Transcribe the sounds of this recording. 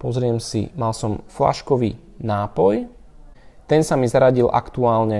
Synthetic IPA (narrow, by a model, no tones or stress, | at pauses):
pɔzɾɪɛmsḭmalsɔmfla̰ʃkɔʋiː | naːpɔj | t̪ɛnsamizaɾaɟilʔa̰kt̪uaːlɲɛ